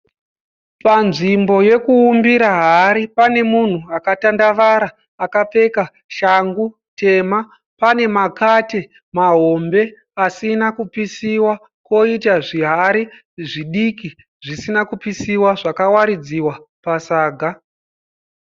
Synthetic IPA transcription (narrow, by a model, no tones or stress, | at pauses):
panʐimbo̞je̞kuːmbiɾaɦaɾipane̞mun̤uakatandaʋaɾaː | kap͡fe̞ka | ʃaŋɡu | te̞ma | pane̞makate | maɦo̞mbe̞ | asinakupisiwa | ko̞itaʐiɦaɾi | ʐiɗiki | ʐisinakupisiwaʐakawaɾid͡ziwa | pasaːɡʱa